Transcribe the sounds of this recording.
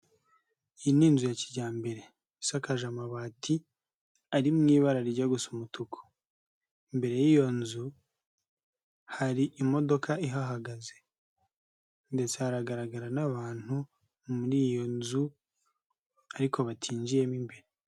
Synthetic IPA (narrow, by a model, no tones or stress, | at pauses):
iniːnzujaciɟaːmbe̞ɾe̞ | sakaʒamaβaːtʰi | aɾimŋiːβaɾaɾiɟaɡusumutukʰo̥ | imbe̞ɾe̞jiːjo̞nzu | haɾiʔimo̞do̞kaiɦaɦaɡaze | nde̞t͡sehaɾaɡaɾaɡaɾanaβaːn̥hu | muɾiːjo̞nzu | aɾiko̞βatʰiːɲd͡ʒije̞mimbeɾe